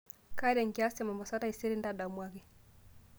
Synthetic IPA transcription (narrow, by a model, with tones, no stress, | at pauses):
ka˦ɛ˦ɾɛ˨ŋɡia˦sɛ˨mɔ˨mɔ˨sa˦ta˦i˨se˦ɾi˦nda˦da˨mwa˦ɣɛ˨